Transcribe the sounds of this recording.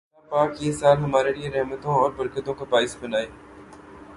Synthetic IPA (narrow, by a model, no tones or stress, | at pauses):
apaːkjeːsaːlɦɐmaːɾelieɾɛɦmət̪õɔːɾbɐɾkət̪õkabaːɪsbɐnaːeː